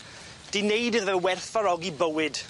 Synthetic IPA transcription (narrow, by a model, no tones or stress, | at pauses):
d̥inejdɨðəwɛrθaɾɔɡibəwɪɨd̥